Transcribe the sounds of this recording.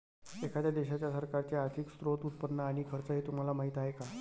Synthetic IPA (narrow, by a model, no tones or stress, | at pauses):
ekʰat̪jad̪eɕat͡ɕjasəɾkaɾt͡ɕeaɾt̪ʰiːkst̪ɾot̪ut̪̚pənːəaɽ̃ikʰəɾt͡səɦet̪um̤alamaɦit̪aɦeka